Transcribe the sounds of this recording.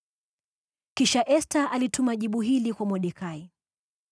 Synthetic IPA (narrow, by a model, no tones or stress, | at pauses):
kiʃaʔɛstaʔalitʰumaʄiɓuɦilikwamɔɗɛkai